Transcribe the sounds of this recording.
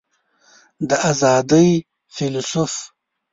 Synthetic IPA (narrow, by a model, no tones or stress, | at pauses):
d̪əʔazɑːd̪əj | filsuf